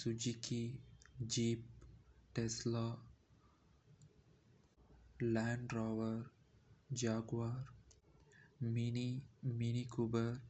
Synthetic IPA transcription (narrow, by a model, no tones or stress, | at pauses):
sud͡ʒikʰid͡ʒiːp̚ʈesla | læ̃ɳɖɾaʋəɾd͡ʒaːɡʋaːɾ | mniminikubəɾ